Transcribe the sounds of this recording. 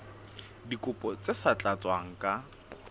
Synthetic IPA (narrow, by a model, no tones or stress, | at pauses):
dikʼʊpʼɔt͡sesat͡ɬʼat͡sʼwaŋ̩kʼa